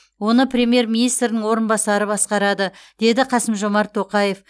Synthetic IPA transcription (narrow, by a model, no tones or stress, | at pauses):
wo̞nəprʲe̞mʲije̞ɾmʲinijst̪ɾɪnɪŋwo̞ɾənbɑsɑɾəbɑsqɑɾɑd̪əd̪̥e̞d̪ɪqʰɑsəmʒo̞mɑɾt̪ʰːo̞qɑje̞f